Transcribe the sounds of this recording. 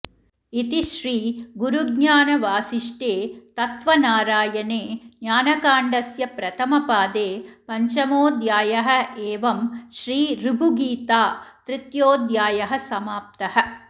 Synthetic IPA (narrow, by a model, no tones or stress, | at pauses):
it̪iʃɾiːɡuɾuɡɲaːnɐʋaːsiʂʈeːt̪ɐt̪ʋɐnaːɾaːjɐneːnjaːnɐkaːɳɖɐsjɐpɾɐt̪ʰɐmɐpaːd̪eːpɐɲt͡ʃɐmoːd̪jaːjɐɦɐ̆eːʋɐmʃɾiːɾibʱuɡiːt̪aːt̪ɾit̪joːd̪jaːjɐɦɐsɐmaːp̚t̪ɐhɐ̆